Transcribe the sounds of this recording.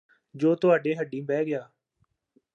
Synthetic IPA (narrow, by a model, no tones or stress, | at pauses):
d͡ʒoːt̪ʊaːɖeːɦəɖĩːbɛːɡɪjaː